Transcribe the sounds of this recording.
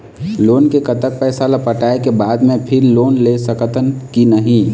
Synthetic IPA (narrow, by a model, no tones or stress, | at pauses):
lonkekət̪ək̚pɛɪsalapəʈaekebad̪mẽpʰɪɾlonlesəkət̪ənkinəɦĩ